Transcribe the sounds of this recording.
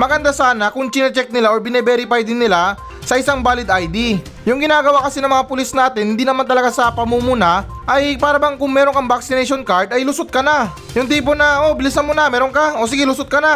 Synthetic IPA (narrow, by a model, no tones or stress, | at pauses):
mɐɡɐnd̪asaːnɐkʊŋt͡ʃɪnɐt͡ʃɛk̚nɪlaʔobɪnɛbɛːɾɪpajd̪ɪnːɪla | sɐʔɪsaŋbaːlɪd̪ajd̪i | jʊŋɡɪnaːɡɐwakɐsinɐŋmɐŋapʊlisnaːt̪ɪnhɪnd̪iːnɐmant̪ɐlɐɡasɐpɐmumuna | ʔɐjpaːɾɐbaŋkʊŋmɛːɾoŋkɐŋbaksɪnɛjʃonkaɹd̪ɐjlʊsʊt̪̚kɐna | jʊŋt̪iːp̬onɐʔo̞bɪlɪs̬nɐmʊnɐmɛːɾoŋkao̞sɪɡɛlʊsʊt̪̚kɐna